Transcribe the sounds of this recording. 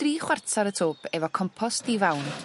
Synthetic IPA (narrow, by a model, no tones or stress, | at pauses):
d̥riːχwartʰaɾətʰoːpʰɛvɔkʰɔmpʰɔsdivawn